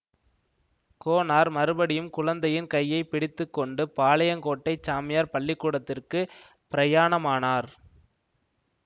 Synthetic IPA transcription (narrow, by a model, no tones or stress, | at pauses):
koːnaːɾmɐɾɯbɐɽɪjɯmkʊɻɐnd̪ɐjɪnkɐjːɐɪpɪɽɪt̪ːɯkːɔɳɖɯpaːlɐjɐŋkoːʈːɐɪt͡ʃːaːmɪjaːɾpɐɭːɪkːuːɽɐt̪ːɪrkɯ | pɪɾɐjaːɳɐmaːnaːɾ